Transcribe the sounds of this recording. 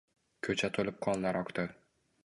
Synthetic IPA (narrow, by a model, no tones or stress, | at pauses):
kʲʰɵt͡ʃʰat̪ʰolɪp̚qʰɒnlaɾɒkt̪ɪ